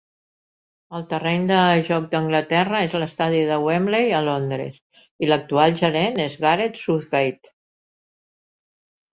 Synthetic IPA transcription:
əlˠt̪ərɛɲd̪əʒɔk̚d̪əŋɡlət̪ɛrəezləst̪aðiðəwemlejəlond̪ɾə̰s | ilək̚t̪ualˠʒəɾenezɣaɾet̪suθɣajt̪

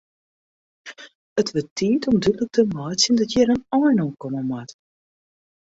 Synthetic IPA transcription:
ətʋətːiːtʰɔmdytlək̚təmɔːt͡sjəndɔtjɛɾənɔjnokɔməmat

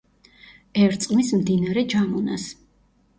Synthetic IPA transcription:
ɛɾt̪sʼqʼmismd̪inaɾɛd͡ʒamɔna̰s

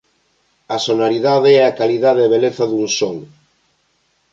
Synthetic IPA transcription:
ɐsonoɾiðaðeɛakaliðaðeβ̞eleθɐðuŋsoŋ

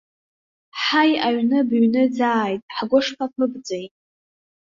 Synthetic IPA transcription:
ħajaɥnɨbɥnɨd͡zaːjtʼħɡʷʊʂpʰapʰɨbd͡zejtʼ

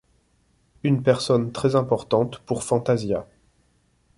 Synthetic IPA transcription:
ynpɛʁsɔnt̪χɛzɛ̃pɔʁt̪ɑ̃t̪puʁfɑ̃t̪azja

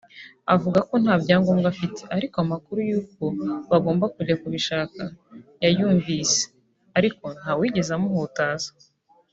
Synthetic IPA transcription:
avuɡako̞n̥haːbɟaːŋɡoːmɡafiteaɾikoamakuɾujuːk̚o̞βaɡoːmbakuɟakuβiʃaːkajajuːɱviːse̥ | aɾiko̞n̥hawiːɟe̞zamoɦotaːza

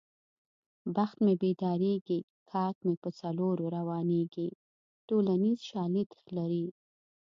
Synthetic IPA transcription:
baxt̪mebed̪ɑɾeɡi | kʰɑkmepət͡saloɾoɾawɑneɡi | ʈolanizʃɑlit̪xlaɾi

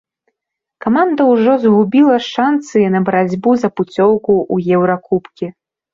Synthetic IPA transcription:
kamand̪ɐwʐɔzɦubʲilˠɐʂansɨjinɐbɐɾad͡zʲbuzɐput͡sʲɔwkuʔujɛwɾakupkʲi

